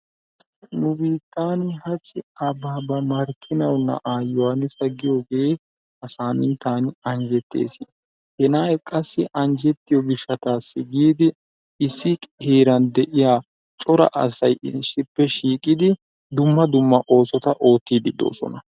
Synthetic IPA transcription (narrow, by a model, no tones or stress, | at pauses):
nʊbiːt̪ːaːnɪhɐt͡ʃʼːɪɐbaːbɐmɐɾkʰɪnɐwnːɐ̰ʔaːjːɔwaːnɪsɐɡɪjo̞ːɡe̞ː | ʔɐsaːnɪnt̪aːnɪɐnd͡ʒɛt̪ːḛːsɪ | hɛnaːjkʼɐsːɪʔɐnd͡ʒɛt̪ːɪjɔɡɪʃːɐt̪aːsːɪɡiːd̪ɪ | ɪsːɪkʼheːɾɐnd̪ɛʔɪjaː | t͡ʃʼɔɾɐ̰ʔɐ̰sɐjɪsːɪpːɛʃiːkʼɪd̪ɪ | d̪ʊmːɐd̪ʊmːɐʔo̞ːsɔt̪ɐʔo̞ːt̪ːiːd̪ɪd̪o̰ːsɔ̰nɐ